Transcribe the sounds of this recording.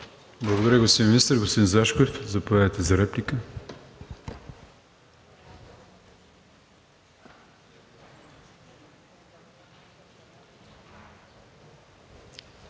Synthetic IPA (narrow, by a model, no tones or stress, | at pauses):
blˠəɡod̪ɐɾʲjəɡost̪inminist̪əɾɡost̪iinzaʃkoɛfzɐpoɛvɛt̪ɛzɐɾɛplikə